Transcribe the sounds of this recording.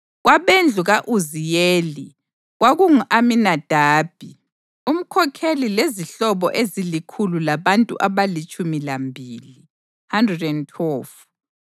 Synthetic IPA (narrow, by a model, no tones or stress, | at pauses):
ɣwaβend͡ɮʱuɣaʔuzijeːli | ɣwaɣuŋuʔaminad̥ʱaːb̥̚ʱi | um̩kʰɔkʰelileziɬɔβɔʔezilikʰululaβantʼṵʔaβalit͡ʃʼumilambʱiːli | handrɛdɛntʰɛːf